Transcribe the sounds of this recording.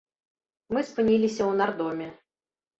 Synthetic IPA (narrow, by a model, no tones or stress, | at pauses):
mɨspɨnʲilʲisʲɐwnard̪ɔmʲɛ